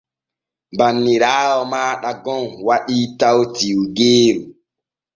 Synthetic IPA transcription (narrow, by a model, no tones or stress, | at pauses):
mbanːiɾaːwɔmaːɗaɡɔnwaɗitawtiwuɡeːɾu